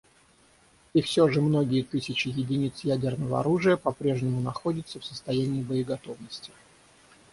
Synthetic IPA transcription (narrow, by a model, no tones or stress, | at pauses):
ifsʲoʐɨmno̞ɡʲɪjət̪ɨsʲɪt͡ɕɪjɪdʲɪnʲit̪sjædʲɪrnəvəɐ̰ɾuʐɨjəpɐpɾʲe̞ʐnʲɪmʊnɐxo̞dʲɪt̪səfsəst̪ɐjænʲɪːbəɪɡɐt̪o̞vnəsʲtʲɪ̥